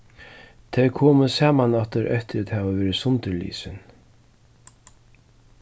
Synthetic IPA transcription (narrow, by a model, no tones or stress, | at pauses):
t̪ʰɛkʰɔːmʏsaːmanaht̪ɪɾʔɛ̰ht̪ɪɾæt̪haːvavɛːɾɪsʊnt̪ɪɾlḭːsɪn